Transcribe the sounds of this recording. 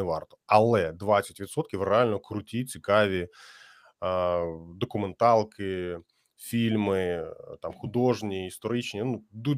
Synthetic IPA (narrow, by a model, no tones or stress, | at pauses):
ɛʋɑrt̪ɔ̥ɐlˠɛd̪ʋat͡sʲːɐtʲʋʲit̪sɔt̪̚kʲiʋrealʲnɔkɾʊtʲit͡sʲikɑʋʲi | d̪ɔkʊment̪ɑlˠkɪ | fʲilʲmɪt̪ɑmxʊd̪ɔʐnʲiːst̪ɔɾɪt͡ʃnʲinud̪u